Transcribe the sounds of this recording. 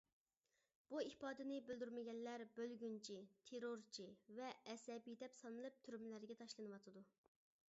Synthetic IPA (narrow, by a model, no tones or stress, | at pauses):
b̥uipɑːd̪ɪnɪbyld̪yɾmɪɡʲɛnlæɾbølɡʲynt͡ʃʰit̪ʰeɾoɾt͡ʃʰivɛɛsɛbijd̪ɛpsɑnɨlˠɨp̚t̪ʰyɾmɪlæɾɡʲɛt̪ʰɑʃlˠɨnɨwɑt̪ʰɨd̪u